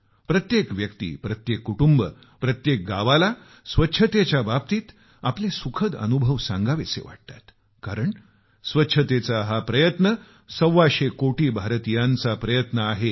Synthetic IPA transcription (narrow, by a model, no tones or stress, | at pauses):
pɾət̪jekʋjəkt̪ḭːpɾət̪jekːuʈumbə | pɾət̪jek̚ɡaʋala | sʋətːɕʰət̪et͡ɕjabap̚t̪iːt̪ | aplesukʰəd̪ə̰nubʱəʋsãŋɡaʋesḛʋa̰ʈ̚t̪ḁt̪ | kaɾəɳ | sʋətːɕʰət̪et͡saɦapɾəjət̪nə | səwːaɕekoʈiːbʱaɾt̪ijãnt͡sapɾəjət̪nəaɦe